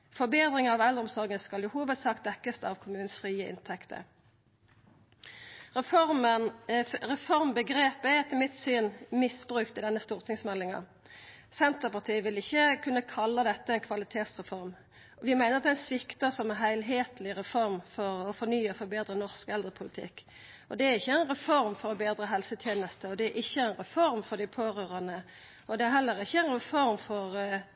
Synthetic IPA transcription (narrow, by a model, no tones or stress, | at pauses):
fɔbeːd̪ʁɪŋɑʋɛld̪ɾʁɔʊmsɔʁɡənskɑljʊhuːʋət̪sɑːkt̪̚d̪ɛkːəst̪ɑʋkʰʊmʉːn̩sfʁiːəʔɪ̰nt̪ʰɛkt̪ʰə̰ | ʁɛfɔʁmə | ʁɛfɔʁmbəɡɾeːpəɛɛt̪ʰəlmɪt̪syːnmɪsb̥ʁʉːkt̪ɪd̪ɛnːəst̪uːʁt̪ʰɪŋsmɛlːɪŋɑ̰ | sɛnt̪əpɑʁt̪ʰiːəʋɪlɪçːəkʰʉnːəkʰɑlːəd̪ɛt̪ːəɛnkʰʋɑlɪt̪ʰeːt̪sʁɛfɔʁm | ɔʋɪmæɪnəɾɑt̪æɪnsʋɪkt̪əsɔmɛɦæɪlɦeːt̪lɪʁɛfɔɾmfɔɾɔfɔɾnyːəfɔɾbeːd̪ɾənɔʁskɛld̪ɾəpʰʊlɪt̪ʰɪ̰kː | ɔd̪ɛæɾɪçːəæɛɪnɾɛfɔɾmfɔɾɔbeːd̪ɾəɦɛlsət̪ʰjeːnəst̪əɔd̪ɛæɾʔɪçːəæɪnɾɛfɔɾmfɔɾd̪ɪpʰoːɾøːɾɑnə | ɔd̪ɛæɾɦɛlːəɾɪçːəæɪnɾɛfɔɾmfɔʁ